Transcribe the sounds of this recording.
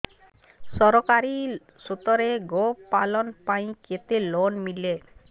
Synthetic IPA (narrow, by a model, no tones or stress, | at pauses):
sɔɾɔkaɾi | sot̪ɔɾeɡopalɔnpaĩket̪elonmile